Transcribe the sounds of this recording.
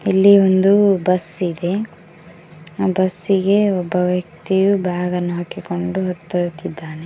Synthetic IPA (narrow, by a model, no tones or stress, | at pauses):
ilːiond̪ubɐsid̪e̞ | bɐsiɡe̞ɔbːɐʋjɐk̚t̪ijubʱaːɡɐnːuɦakːiko̞ɳɖuɦɐt̪ːɐt̪id̪ːaːne